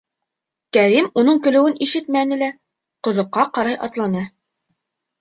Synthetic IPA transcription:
kæɾimunɤɴkɵ̆lɘ̆wɘniʃɘt̪mænɘ̆læ | qŏðŏqːɑqɑɾɑjʔɑ̰t̪lˠɑnɤ

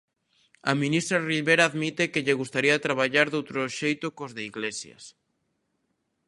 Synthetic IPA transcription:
a̰mĩnist̪ɾariβeɾaːðmit̪ekeʎeɣust̪aɾiat̪ɾaβ̞aʎaɾðowt̪ɾoʃejt̪ʊkozðeiɣlesjɐ̰s

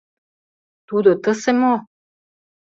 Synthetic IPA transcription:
t̪ud̪ot̪əsemo

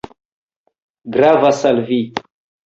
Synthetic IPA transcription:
ɡɾavasalvi

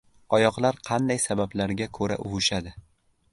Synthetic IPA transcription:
ɒjɒqlˠaɾqʰɑnd̪ajsabablaɾɡʲakʰɵɾa̰ʔʊvʊʃad̪ɪ

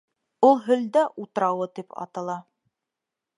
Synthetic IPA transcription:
ulˠɦɵ̆ld̪æʔut̪ɤ̆ɾɑwɤt̪ipɑ̰t̪ɤ̆lˠɑ

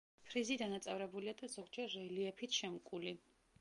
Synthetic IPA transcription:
pʰɾizid̪anat̪sʼɛvɾɛbuliad̪azɔɡd͡ʒɛɾːɛliɛpʰit̪ʰʃɛmkʼuli

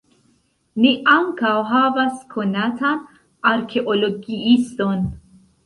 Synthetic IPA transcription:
niʔaŋkawɦavaskʰonat̪ʰan | ʔaɾkʰeʔoloɡiist̪on

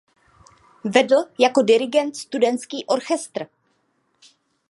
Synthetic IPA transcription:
vɛdl̩jako̞dɪɾɪɡɛnt̪st̪udɛnt̪t͡skiːʔo̞ɾxɛst̪r

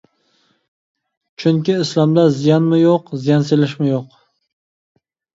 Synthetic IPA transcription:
t͡ʃʰyŋkʲiːslˠɑmd̪azijɑnmɪjoqzijɑnselɪʃmɪjoq

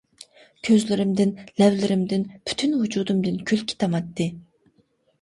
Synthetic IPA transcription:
kʲʰøzlɪɾɪmd̪ɪnlɛvlɪɾɪmd̪ɪnpʰy̥t̪ʰynhud͡ʒuːd̪umd̪ɨnkʲʰylkʲʰi̥t̪ʰɑmɑt̪ːɨ

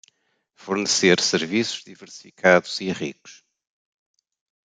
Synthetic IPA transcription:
fuɾnɨseɾsɨɾvisu̥ʒ̥ðivɨɾsi̥fikʰaðuziʁḭku̥ʃ

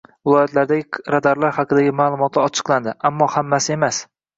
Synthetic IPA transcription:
vɪlˠɒjɒt̪laɾd̪aɡʲɪɾad̪aɾlaɾhɑqʰɨd̪aɡʲɪmaːlˠʊmɒt̪ʰɪɒt͡ʃʰɨ̥qlˠand̪ɪʔamːɒhamːasɪe̞mas

